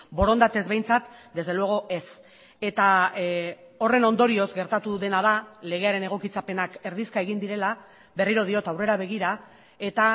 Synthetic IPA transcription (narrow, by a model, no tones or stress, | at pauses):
bo̞ɾo̞nd̪at̪e̞zβe̞jnt͡sat̪d̪e̞zðelueɣo̞ʔe̞s | e̞t̪a | o̞re̞no̞nd̪o̞ɾio̞zɡe̞ɾt̪at̪uðe̞naðale̞ɣe̞aɾe̞ne̞ɣ̞o̞kit͡sape̞nake̞ɾðiskae̞ɣind̪iɾe̞la | βe̞riɾo̞ð̞io̞t̪awre̞ɾaβe̞ɣ̞iɾa | e̞t̪a